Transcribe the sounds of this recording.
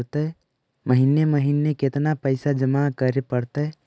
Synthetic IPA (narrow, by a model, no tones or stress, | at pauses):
t̪e | məɦineməɦinːekɪt̪napəɪsad͡ʒəmakəɾepəɾt̪eɛ